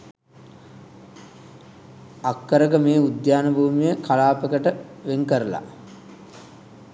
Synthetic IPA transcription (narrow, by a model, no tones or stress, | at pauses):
akːəɾəkəmeːud̪jaːnəbʱuːmijəkalaːpəkəʈəʋeŋkəɾəla̰